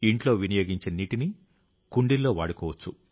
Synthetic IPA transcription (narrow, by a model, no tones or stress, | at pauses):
iɳʈlo̞ːʋinɐjo̞ːɡiɲt͡ʃeːniːʈini | kuɳɖilːo̞ːʋa̰ːɽukɔːʋɐt͡ʃːu